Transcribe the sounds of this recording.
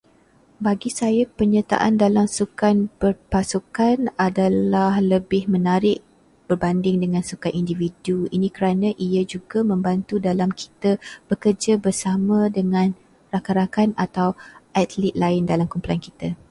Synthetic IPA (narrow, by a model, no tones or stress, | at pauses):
baɡisajapəɲat̪a̰ʔandalamsukanbərpasukanadalahləbɪhmə̃naɾɪʔ | b̥ərbandɪŋdəŋãnsukanʔindividuinĩkəɾanãʔiad͡ʒuɡamə̃mbant̪udalamkʰi̥t̪ab̥əkərd͡ʒabərsamãdəŋãn | rakaɾakanat̪awʔat̪lit̪̚laɪndalamkumplankit̪a